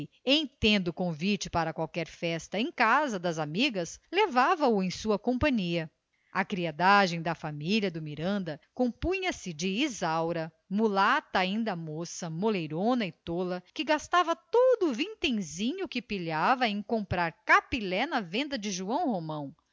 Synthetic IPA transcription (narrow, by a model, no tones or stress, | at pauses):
ẽj̃t̪ẽnd̪ʊkõvit͡ʃɪpaɾɐkwawkɛɾfɛst̪ɐẽj̃kazɐd̪ɐzamiɡɐslevavɐʊẽj̃suɐkõmpɐ̃ɲiɐ | ɐkɾiad̪aʒẽj̃d̪ɐfamiʎɐd̪ʊmiɾɐ̃nd̪ɐkõmpũɲɐsɪd͡ʒɪizawɾɐ | mulat̪ɐaĩnd̪ɐmosɐmolejɾõnɐɪt̪olɐkɪɡast̪avɐt̪od̪ʊːvĩt̪ẽj̃zĩɲʊkɪpiʎavɐẽj̃kõmpɾaɾkapilɛnɐvẽnd̪ɐd͡ʒɪʒuɐ̃w̃homɐ̃w̃